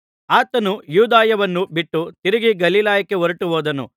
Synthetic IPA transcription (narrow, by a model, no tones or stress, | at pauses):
aːt̪ɐnujuːd̪aːjɐʋɐnːubiʈːut̪iɾiɡiɡɐliːlaːjɐkːe̞oɾɐʈuɦoːd̪ɐnṵ